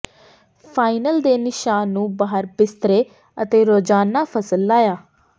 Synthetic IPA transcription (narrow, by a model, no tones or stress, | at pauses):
pʰaːɪnəld̪eːnɪʃaːnːũːbaːɦəɾbɪst̪əɾeː | ət̪eːɾoːd͡ʒaːnaːpʰəsəlːaːjaː